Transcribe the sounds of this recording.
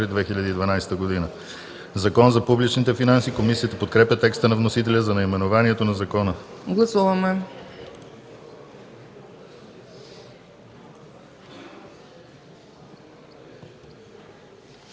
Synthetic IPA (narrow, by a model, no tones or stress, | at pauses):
ɾid̪vɛxiʎʲəd̪iːd̪vɐnajsɛ̥t̪əɡod̪inə | zɐkɔnzɐpublit͡ʃnit̪ɛfinansikomisiət̪əpot̪̚kɾɛpʲjət̪ɛkst̪ənɐvnosit̪ɛlʲəzɐnɐimɛnovaniɛt̪onɐzɐkɔnəɡlˠɐsuvɐmɛ